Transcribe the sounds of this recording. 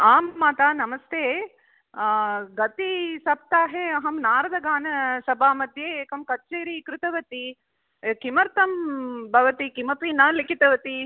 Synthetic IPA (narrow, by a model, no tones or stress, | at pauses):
aːmːaːt̪aːnɐmɐst̪ʰeː | ɡɐt̪isɐp̚t̪aːɦeːɐɦɐmnaːɾɐd̪ʱɐɡaːnɐsɐbʱaːmɐd̪ʱjeːeːkɐmkɐt͡ʃeːɾikɾɪt̪ɐʋɐt̪i | kimɐɾt̪ɐmbʱɐʋɐt̪ikimɐpiːnaːlikit̪ɐʋɐt̪i